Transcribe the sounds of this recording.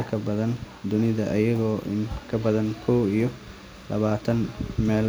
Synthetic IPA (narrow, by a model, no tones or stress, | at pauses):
lkʰɐbɐðɐn | d̪ʊnɪðɐʔɐjɐɣɔːʔɪ̰kʰɐbɐðɐnkʰɔwijɔ | lʔɐβaːt̪ʰɐnmɛːl